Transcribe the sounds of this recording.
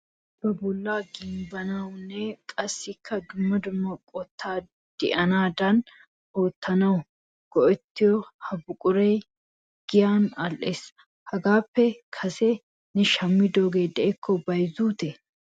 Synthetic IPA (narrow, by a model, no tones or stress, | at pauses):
b̥ɐbʊlːaːɡɪmbɐnaʊnːɛkʼɐsɪkʰːɐd̪ʊmːɐd̪ʊmːɐkʼɔt̪ʰːaː | d̪̥ɪʔɐnaːd̪ɐn | oːt̪ːɐnɐw | ɡ̥ɔʔɛt̪ːɪjɔhɐbʊkʼʊɾeː | ɡ̥ɪjaːnɐlʔeːs | hɐɡaːpːɛkʰɐse | nɛʃɐmːɪd̪oːɡeːd̪ɛʔɛkʰːɔbɐjzuːt̪ɛ